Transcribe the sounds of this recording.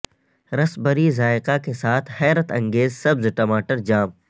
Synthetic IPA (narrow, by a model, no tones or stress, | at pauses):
ɾɐsbəɾizaːɪqakesaːt̪ʰhɛːɾət̪ɐ̃ŋɡeːzsɐbzʈɐmaːʈəɾd͡ʒaːm